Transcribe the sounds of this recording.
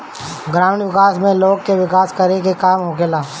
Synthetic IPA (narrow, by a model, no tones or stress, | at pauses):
ɡɾaːmɳʋɪkaːsmẽloːɡ̚keʋɪkaːskɐɾekekaːmɦoɡelaː